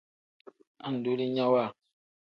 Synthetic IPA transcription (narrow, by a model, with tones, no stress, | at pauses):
a˨n̩˨do˦li˦ɲã˦wa˦˨